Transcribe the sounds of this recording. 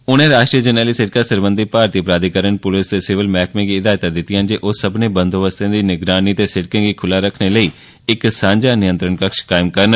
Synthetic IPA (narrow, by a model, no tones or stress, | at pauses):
ʊñẽːɾaːʃʈɾiːəd͡ʒənəːliːsɪʈkaːsəɾbənd̪ipaːɾt̪iːpɾaːd̪iːkəɾənpʊlɪst̪eːsɪʋɪlmɛːkmẽːɡiːɪd̪aːjt̪aːd̪ɪt̪ːɪjãːnd͡ʒeːʔoːsəbnẽːbənd̪oːʋəst̪ãːd̪iːnɪɡɾaːniːt̪eːsɪʈkẽːɡiːkʰʊlaːɾəkʰneːləiː | ɪksãːɲd͡ʒaːnɪjə̃nt̪ɾəɳkəkʃkaːɪmkəɾn